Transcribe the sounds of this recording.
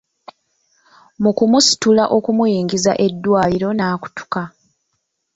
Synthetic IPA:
mukumusi̥tulaʔo̞kumujiːŋɡiza̰ʔe̞dːwaːliɾo̞naːku̥tu̥ka

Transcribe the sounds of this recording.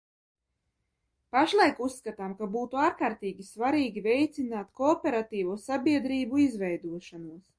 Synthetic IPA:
paʃlˠajkusːkat̪aːmkabuːt̪uaːɾkaːɾt̪iːɡʲisvaɾiːɡʲivɛjt̪sinaːt̪koːpʲeɾat̪iːvuːsabʲiɛd̪ɾiːbuizvɛjd̪uɔʃanuɔs

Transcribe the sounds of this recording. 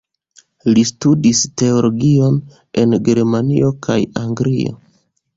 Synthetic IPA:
listudiste̞olo̞ɡio̞n | e̞nɡe̞ɾmanḭo̞kʰajaŋɡɾio̞̰

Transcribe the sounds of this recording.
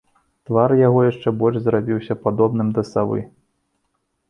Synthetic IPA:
t̪varjaɣɔjaʂt͡ʂɛbɔlʲʐzɾabʲiwsʲɐpad̪ɔbnɨmd̪ɐsavɨ̰

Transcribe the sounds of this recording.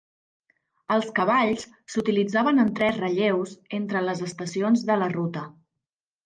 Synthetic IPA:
əlˠskəβaʎs | sut̪ilid͡zaβənənt̪ɾɛzrəʎewzent̪ɾələzəst̪əsionzðələrut̪ə

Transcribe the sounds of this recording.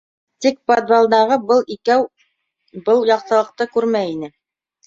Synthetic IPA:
t̪ikpod̪balˠd̪ɑʁɤbɤlˠikæw | bɤlˠjɑq̚t̪ɤ̆lˠɤ̆q̚t̪ɤkʉɾmæjinɘ

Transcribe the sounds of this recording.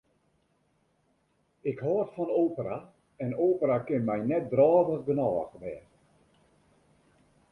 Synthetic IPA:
ɪkhɔrtfɔnoːpəra | ɛnoːpəɾakɪnmɛjnɛt̚drɔːvəxɡənɔːɣʋɛːr

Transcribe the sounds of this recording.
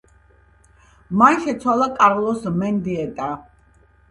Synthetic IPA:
manʃɛt̪sʰwalˠakʼaɾlˠɔsmɛnd̪iɛt̪ʼa

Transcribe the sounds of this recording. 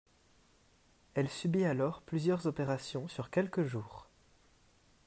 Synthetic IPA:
ɛlsybialɔʁplyzjœʁzɔpeʁasjɔ̃syʁkʲɛlkəʒuːʁ

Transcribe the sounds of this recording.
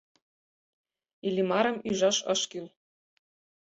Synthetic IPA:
ilʲimɑɾɤ̆myʒɑʃɤ̰̆ʃkyl

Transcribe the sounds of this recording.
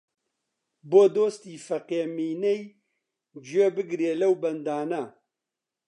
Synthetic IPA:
boːd̪oːst̪iːfɐqeːmiːnɛj | d͡ʒijebɨɡɾieːlɐwbɐnd̪aːnɐ

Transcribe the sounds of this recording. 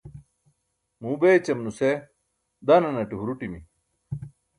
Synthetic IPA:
muːbet͡ɕɐmnuse | d̪anɐnɐʈiɦuɾuʈimḭ

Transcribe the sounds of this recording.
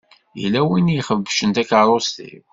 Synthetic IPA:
jḭlːæwinjiχəvːʃənt̪ækaɾˤost̪ḭw

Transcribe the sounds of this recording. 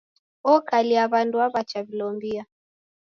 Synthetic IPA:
ɔkaliaβanduaβat͡ʃaβilɔmbia

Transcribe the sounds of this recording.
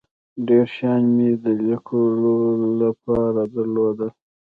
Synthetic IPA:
ɖeɾʃjɑnmed̪əlikʰololapɑɾad̪əɾlod̪əl

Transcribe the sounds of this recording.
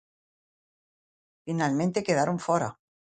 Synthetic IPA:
finalmẽnt̪e̞keð̞aɾoɱfoɾa̰

